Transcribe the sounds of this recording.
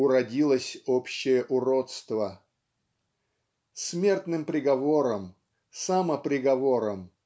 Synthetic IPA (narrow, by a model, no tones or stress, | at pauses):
ʊɾɐdʲilˠəsʲopɕːɪjəʔʊɾot̪st̪və | smʲe̞rt̪nɨmpɾʲɪɡɐvo̞ɾəm | saməpɾʲɪɡɐvo̞ɾəm